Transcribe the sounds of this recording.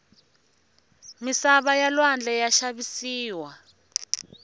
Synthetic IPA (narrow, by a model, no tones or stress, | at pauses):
misaβajalwand͡ɮʱɛjaʃaβisiːwa